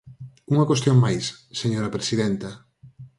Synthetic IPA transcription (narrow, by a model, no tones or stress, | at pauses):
uŋɐkwest̪joŋmajsseɲoɾɐpɾesiðɛnt̪ɐ